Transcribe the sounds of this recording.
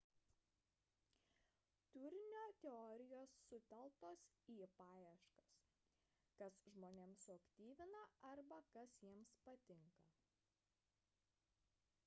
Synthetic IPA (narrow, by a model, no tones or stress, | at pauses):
t̪ʊɾʲɪnʲoːt̪ʲɛɔːɾʲɪjoːsːʊt̪ʲɛlˠt̪oːs | iːpɑːjɛʃkɐs | kɐsʒmoːnʲeːmsʊɐkt̪ʲiːʋʲɪnɐɐɾbɐkɐsjiɛmspɐt̪ʲɪŋkɐ